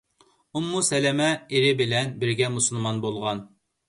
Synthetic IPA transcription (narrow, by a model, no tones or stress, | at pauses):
umːusɛlɛmɛeɾɪbɪlɛnbɪɾɡʲɛmusulˠmɑnbolˠʁɑn